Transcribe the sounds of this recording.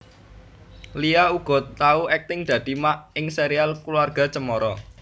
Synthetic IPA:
liauɡ̥ɔ̤t̪ːauɛk̚t̪ɪŋd̪̥ä̤d̪̥i̤maʔɪŋseɾialkluarɡ̥a̤t͡ʃəmɔɾɔ

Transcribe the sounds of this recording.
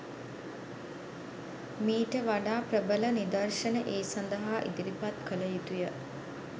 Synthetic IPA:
miːʈəʋaɖaːpɾəbələnid̪ərʂənəʔeːsand̪əɦaːʔḭd̪iɾipat̪kələjit̪ujə

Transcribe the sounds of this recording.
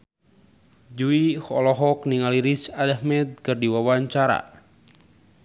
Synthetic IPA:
d͡ʒuihɔ̰lɔɦɔk̚niŋaliɾisadahmɛd̪̚kɨrdiwawaɲt͡ʃaɾa̰

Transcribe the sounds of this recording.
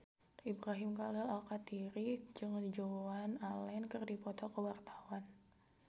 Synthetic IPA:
ʔibɾaɦɪmkalɛlalkat̪iɾid͡ʒɨŋd͡ʒoanalɛnkɨrdipɔt̪ɔkəwart̪ḁwan

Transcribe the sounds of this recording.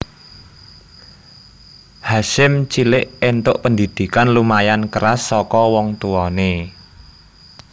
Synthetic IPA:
haʃɪmt͡ʃilɪʔent̪ʊʔpənd̪id̪̥i̤kanlumajankəɾasːɔkɔwɔŋt̪uɔne

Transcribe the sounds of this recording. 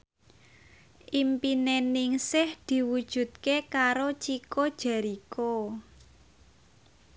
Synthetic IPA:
ʔimpinenɪŋsɪhd̪̥i̤wud̥ʒ̥ṳt̪̚kekaɾot͡ʃikod̥ʒ̥a̤ɾiko

